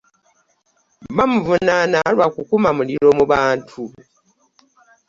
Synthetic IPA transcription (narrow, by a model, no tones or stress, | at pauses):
bamuvunanalwakukumamuliɾo̞muβaːntʰu